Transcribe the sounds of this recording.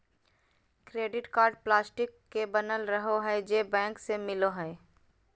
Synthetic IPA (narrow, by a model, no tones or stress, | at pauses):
kɾeːɖɪʈkaːɾɖplaːsʈɪkːebənəlɾəɦoɦɛd͡ʒeːbɛ̃ːŋksemɪloɦɛ